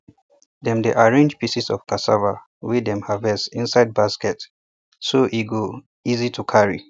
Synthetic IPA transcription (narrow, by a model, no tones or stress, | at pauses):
dɛ̃mdeʔaɹẽnd͡ʒpisisɔ̰fkasava | widɛ̃mhavɛsĩnsaɪd̚baskɛt | soʔiɡo | izitʰukʰaɹḭ